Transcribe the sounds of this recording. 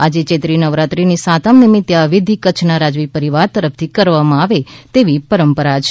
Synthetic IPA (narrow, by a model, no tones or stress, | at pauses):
ad͡ʒet͡ʃet̪ɾinəʋɾat̪ɾinisat̪amnimit̪ːjaʋɪd̪ʱikət͡ʃʰnaɾad͡ʒʋipəɾiʋaɾt̪əɾəft̪ʰikəɾʋamãaʋet̪eʋipəɾəmpəɾat͡ʃʰ